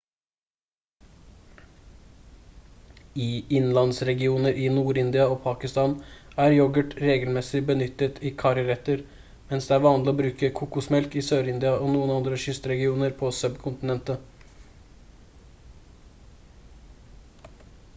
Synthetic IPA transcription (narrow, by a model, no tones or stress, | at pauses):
ɪɪnlɑnsɾɛɡɪuːnəɾʔɪnuːɾɪnd̪ɪɑopʰɑːkɪst̪ɑːnæɾjɔɡəʈɾeːɡəlmɛsɪbənʏt̪ːət̪ʰɪːkʰɑɾəɾɛt̪əɾ | mɛnsd̪ɛæɾʋɑːnlɪɔːbɾʉːkəkʰukʊsmɛlkɪsøːɾɪnd̪ɪɑʔoːnuːənɑnd̪ɾəʃʏst̪ɾɛɡɪuːnəɾpʰosœbkʰʊnt̪ɪnɛnt̪ə